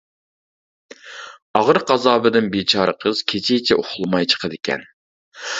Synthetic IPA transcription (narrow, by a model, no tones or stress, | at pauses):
ɑʁəɾqɑzɑːbɪd̪ɪnbet͡ʃʰɑːɾəqʰəz̥kʲʰet͡ʃʰɪt͡ʃʰɛʔoχʊlˠɨmɑjt͡ʃʰə̥qʰəd̪ɪkʲʰɛ̰n